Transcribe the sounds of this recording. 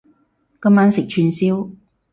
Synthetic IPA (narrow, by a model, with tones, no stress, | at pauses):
kɐ˥mːaː˥nsɪ˨k̚t͡ʃʰyː˧nsiː˥w